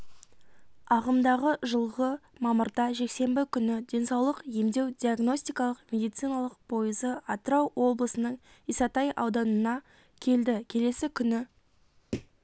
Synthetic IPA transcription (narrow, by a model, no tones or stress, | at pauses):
ɑʁəmd̪ɑʁəʒəlˠʁəmɑməɾd̪ɑʒe̞kse̞mbɪkʲʰʏnɪd̪e̞nsɑwlˠəqje̞md̪e̞wd̪ʲiaɡno̞sʲt̪ijkɑlˠəqmʲe̞d̪ijt̪sijnɑlˠəq̚pʰo̞jəzəɑt̪əɾɑwwʔo̞blˠəsənəɴ | isɑt̪ɑjʔɑ̰wd̪ɑnənɑ | kʲʰe̞ld̪ɪkʲʰe̞le̞sɪkʲʰʏnɪ